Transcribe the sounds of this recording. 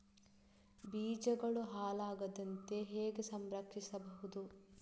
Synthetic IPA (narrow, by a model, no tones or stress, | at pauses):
biːd͡ʒɐɡɐɭuɦaːlaːɡɐd̪ɐnt̪e̞ɦeːɡesɐmɾɐkʂisɐbɐɦud̪u